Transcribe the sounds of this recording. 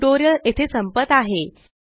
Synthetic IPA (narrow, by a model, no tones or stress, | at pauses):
ʈoɾijəlet̪ʰesəmpət̪aɦe